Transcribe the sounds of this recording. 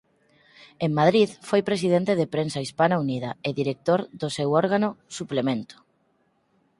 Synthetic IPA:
eŋmað̞ɾiðfojpɾesið̞ent̪eðepɾensaispanaunið̞aeðiɾek̚t̪oɾðosewɔɾɣanosuplemẽnt̪o̥

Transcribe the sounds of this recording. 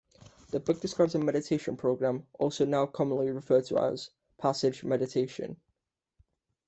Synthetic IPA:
ðəbʊk̚d̥ɪskɹaɪbzəmɛɾɪtʰeɪʃə̃npʰɹ̥oʊɡɹãmʔɔˑlˠsoʊnaʊkʰɒmə̃nliɹɪfɜːtʰəa̰ʊəz̥ | pʰasɪd͡ʒmɛɾɪtʰeɪʃə̰̃n

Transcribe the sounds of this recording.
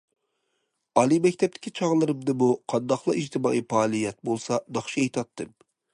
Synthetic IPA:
ɑlˠimɛkʲt̪ʰɛp̚t̪ʰɪ̥kʲʰit͡ʃʰɑʁlˠɨɾɨmd̪ɨmuqʰɑnd̪ɑχlˠɑid͡ʒt̪ʰɨmɑ̰ʔipɑːlˠijɛt̪̚bolˠsɑd̪ɑχʃiɛjt̪ʰɑt̪ːɨm

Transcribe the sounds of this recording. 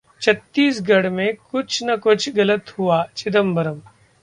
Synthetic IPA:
t͡ʃʰɐt̪ːiːsɡɐɽmẽkʊt͡ʃʰnɐkʊt͡ʃʰɡɐlət̪huaːt͡ʃɪd̪əmbɐɾəm

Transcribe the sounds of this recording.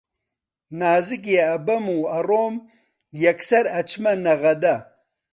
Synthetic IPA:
naːzik̬jeɐbɐmuɐɾoːm | jɐksɐɾɐt͡ʃʰmɐnɐɣɐd̪ɐ

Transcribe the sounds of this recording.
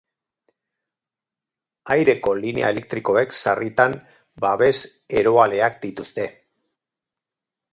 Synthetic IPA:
ajɾe̞ko̞line̞̰a̰e̞le̞k̚t̪ɾiko̞e̞ksarit̪an | baβe̞s | e̞ɾo̞ale̞ak̚d̪it̪ust̪e̞

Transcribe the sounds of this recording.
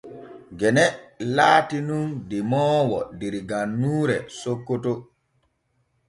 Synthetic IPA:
ɡɛnɛlaːtinundimɔːwɔ̰diɾɡanːuːɾɛsokːoto

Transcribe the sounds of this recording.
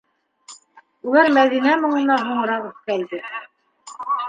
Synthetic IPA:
ulˠæɾmæðinæmŏɴɤ̆nɑɦuɴ̆ɾɑʁɵθkæld̪ɘ

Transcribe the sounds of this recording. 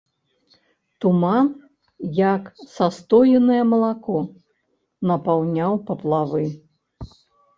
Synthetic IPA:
t̪uman | jɐksast̪ɔjɛnɨjɐmɐlˠakɔ | nɐpawnʲawpɐplˠavɨ

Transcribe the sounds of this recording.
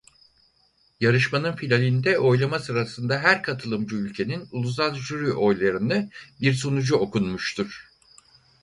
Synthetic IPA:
jaɾɯʃmanɯnfilʲalʲind̪ɛʔo̞jlˠamasɯɾasɯnd̪aɦæɾkʰat̪ʰɯlˠɯmd͡ʒuylʲcʰe̞ninulˠus̬alˠʒyɾyʔo̞jlˠaɾɯnɯbiɾso̞nud͡ʒuo̞kʰunmuʃt̪ʰuɾ̥

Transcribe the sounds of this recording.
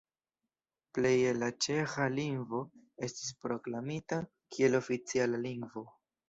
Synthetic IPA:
ple̞jelat͡ʃe̞xaliŋɡvo̞ | e̞stis̬pɾo̞klamita | kʰie̞lo̞fit͡sialaliŋɡvo̞

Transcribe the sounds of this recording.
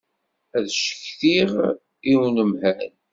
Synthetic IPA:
æðʃə̥çθiʁ | iwnəmhæn

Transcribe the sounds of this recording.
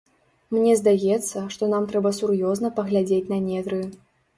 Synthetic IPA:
mnʲɛzd̪ajɛt̪sːɐʂt̪ɔnamt̪ɾɛbɐsurjɔznɐpɐɣlʲad͡zʲet͡sʲnɐnʲɛd̪ɾɨ

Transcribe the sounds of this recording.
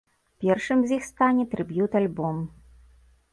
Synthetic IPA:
pʲɛrʂɨmzʲjixst̪anʲɛt̪ɾɨbjut̪alʲbɔm

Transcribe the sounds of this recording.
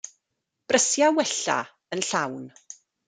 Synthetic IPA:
b̥rəsjawɛɬa̰ | ənɬawn

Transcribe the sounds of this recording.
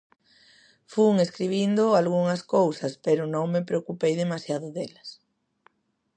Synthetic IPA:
fuŋeskɾiβ̞ind̪ʊalɣuŋɐskowsɐspeɾʊnõŋmepɾeokupejðemasjaðʊðelɐs

